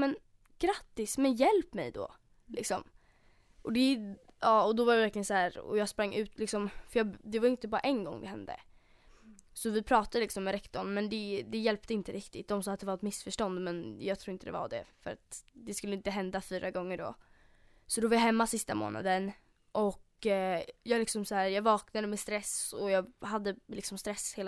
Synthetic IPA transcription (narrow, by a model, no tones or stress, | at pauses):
mɛn | ɡ̥ɾat̪ːɪsmɛnjɛlpːmɛ̰jd̪ɔ̰ | lʔɪ̰ksɔm | ʔɔd̪ɛ | ɑːɔd̪ɔvaɾɛvæɾklɪjənshæːɾɔ̰jɑːɡspɾaŋːʔʉ̟ːt̪lɪksɔmfœjɑːd̪ɛvaɾɪnt̪əbɑːɾaʔɛnɡɔ̰ŋːd̪ɛhɛnd̪ə̰ | sɔvɪpʰɾɑːt̪ad̪əlɪksɔmːɛɾɛkt̪ɔɳmɛnd̪ɛd̪ɛjɛlp̚t̪əɪnt̪əɾɪkt̪ɪt̪̚d̪ɔmsɑːt̪̚d̪ɛvaɾɛt̪mɪsfœʂʈɔnd̪mɛnjɑːɡt̪ʰɾuːɾɪnt̪əd̪ɛ̰va̰ɖɛ̰fœɾa̰t̪d̪ɛskɵlːəɪnt̪əɦɛnd̪afyːɾʔaɡɔŋːəɖɔ̰ | sɔd̪ɔɛvaɾjaɦɛmːasɪst̪amo̰ːna̰d̪ən | ʔɔk | jɑːalɪksɔmshæːɾjɑːɡvɑːknad̪əmɛst̪ɾɛsɔjɑːhad̪ːəlɪksɔmst̪ɾɛsheːl